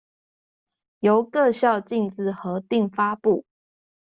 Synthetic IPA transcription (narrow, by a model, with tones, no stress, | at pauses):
jo˨˦ʊkɤ˥˧ɕjɑ˥˧ʊt͡ɕi˥˧ŋt͡sɹ̩˥˩xɤ˨˦t̪i˥˨ŋfa˦pu˥˨